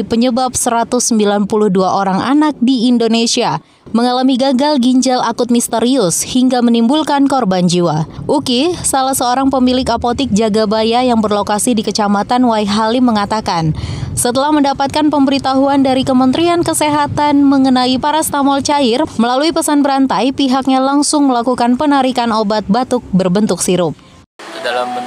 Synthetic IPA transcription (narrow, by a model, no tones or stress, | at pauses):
pəɲəbap̚səɾat̪ʊsːəmbilanpulʊhduaʔoɾaŋa̰nak̚diːndonesia | məŋalamiɡaɡalɡiɲd͡ʒalʔakʊt̪̚mist̪əɾiʊshiŋɡamənimbulkankɔrband͡ʒiwaʔukisalahsəoɾaŋpəmilɪkapot̪ɪk̚d͡ʒaɡabajajaŋbərlokasidikət͡ʃamat̪anwaiɦalɪmːəŋat̪akansət̪əlahməndapat̪̚kanpəmbəɾit̪aɦuandaɾikəmənt̪ɾiankəseɦat̪anməŋənaipaɾast̪amɔlt͡ʃaɪrməlaluipəsanbəɾant̪ajpiɦak̚ɲalaŋsʊŋməlakukanpənaɾikanobat̪̚bat̪ʊk̚bərbənt̪ʊk̚siɾʊp̚